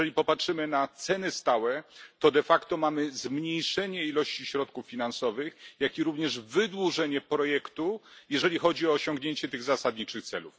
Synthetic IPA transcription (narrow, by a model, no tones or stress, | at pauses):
ɛlʲipɔpatʂɘmɘnat̪sɛnɘst̪awɛt̪ɔd̪ɛfakt̪ɔmamɘzmɲejʂɛɲɛilɔɕt͡ɕiɕɾɔt̪̚kufːʲinansɔvɘxjakʲiɾuvɲɛʐvɘd̪wuʐɛɲɛpɾɔjɛkt̪ujɛʐɛlʲixɔd͡ʑiɔːɕɔ̃ŋɡɲeɲt͡ɕɛt̪ɘɣzasad̪̚ɲit͡ʂɘxt̪sɛ̰luf